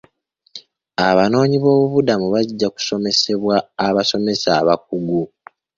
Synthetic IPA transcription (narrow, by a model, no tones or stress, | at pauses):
aβano̞ːɲiβo̞ːβuβudamuβaɟːaku̥so̞me̞se̞βwaːβaso̞me̞saːβak̚uɡu